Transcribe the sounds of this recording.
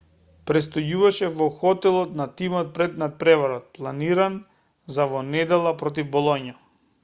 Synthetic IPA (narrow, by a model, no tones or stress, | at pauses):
pɾɛst̪ɔjuvaʃɛvɔxɔt̪ɛlˠɔt̪nat̪imɔt̪̚pɾɛd̪nat̪̚pɾɛvaɾɔt̪̚plˠaniɾan | zavɔnɛd̪ɛlˠapɾɔt̪̬ivbɔlˠɔɲja